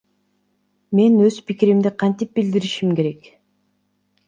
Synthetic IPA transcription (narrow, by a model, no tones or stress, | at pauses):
me̞nøzpikiɾimd̪iqʰɑnt̪ip̚bild̪iɾiʃimke̞ɾe̞k